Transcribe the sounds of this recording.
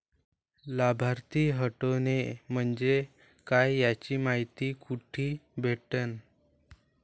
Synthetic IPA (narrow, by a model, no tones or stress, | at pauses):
labʱaɾt̪iːɦəʈonem̤əɳd͡ʑe | kajːat͡ɕiːmaɦit̪iːkuʈʰiːbʱeʈən